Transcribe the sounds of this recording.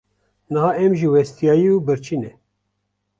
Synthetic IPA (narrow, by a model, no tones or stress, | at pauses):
nɨɦɑːɛmʒiwɛst̪ijɑːjiubɨɾt͡ʃʰiːnɛ